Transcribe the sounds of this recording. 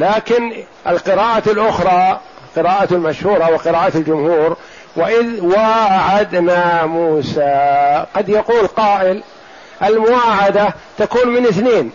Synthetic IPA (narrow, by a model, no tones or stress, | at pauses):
laːkɪn | ʔɪlqɪɾaːʔalʔʊxɾˤɑː | qɪɾaːʔalmaʃhuːɾˤɑwɪqɪɾaːʔaald͡ʒʊmhuːɾ | wɪʔɪðwaːʕad̪namuːsaqɑd̪jaquːlqɑːʔɪl | ʔalmʊwaːʕad̪at̪akuːnmɪnʔɪθneːn